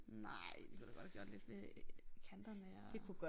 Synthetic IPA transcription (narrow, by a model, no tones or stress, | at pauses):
nɑɪ̰d̥e̝kʰud̥ɑɡ̥ɒ̽d̥hæɡ̥jo̰d̥le̝d̥fle̝kʰænd̥ɐnəd̥e̝kʰuɡ̥ɒ